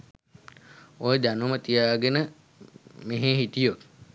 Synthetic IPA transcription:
ojəd̪anumət̪ijaːɡenə | meɦeɦit̪ijot̪

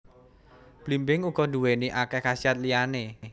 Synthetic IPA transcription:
b̥limbɪŋuɡ̥ɔ̤nduweniʔakɛkasiat̪̚liane

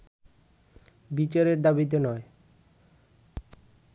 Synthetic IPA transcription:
bit͡ɕaɾeɾd̪abit̪̬enɔe

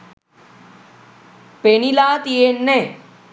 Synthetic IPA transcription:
penilaːt̪ienːẽ

